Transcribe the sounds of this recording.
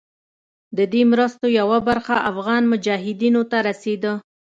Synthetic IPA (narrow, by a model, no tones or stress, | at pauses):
d̪əd̪emɾəst̪ojawabaɾxaʔafɣɑnmʊd͡ʒɑɦɪd̪inot̪aɾased̪ə